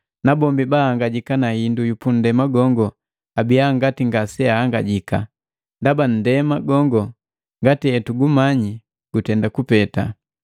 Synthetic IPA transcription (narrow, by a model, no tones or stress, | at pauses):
nabɔmbibaaŋɡaɟikanahindujupun̩dɛmaɡɔŋɡɔ | abijaŋɡatiŋɡasɛaaŋɡaɟika | ndaban̩dɛmaɡɔŋɡɔ | ŋɡatiɛtuɡumaɲi | ɡ̥utɛndakupɛta̰